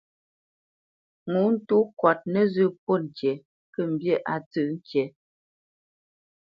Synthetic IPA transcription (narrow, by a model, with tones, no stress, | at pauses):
ŋu˨˦n̩˦˨tu˦kwa˨t̚nə˨zʉ˦˨po˦ŋ̩˨kjɛ˨ | kə˨m̩˨bje˦˨ʔa˨tɨ˦˨ʔŋ̩˦kjɛ˨˦